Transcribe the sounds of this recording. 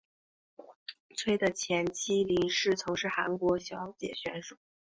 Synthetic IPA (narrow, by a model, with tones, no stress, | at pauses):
t͡sʰwe˥ɪd̪ə˨t͡ɕʰjɛ˧˥nt͡ɕʰi˥li˧˥ŋʂɻ̩˥˩t͡sʰʊ˧˥ŋʂɻ̩˥˩xa˧˥nkwɔ˧˥ɕjɑ˧˥ʊt͡ɕjɛ̰˨˩ɕɥɛ˧˥nʂu˨˩˦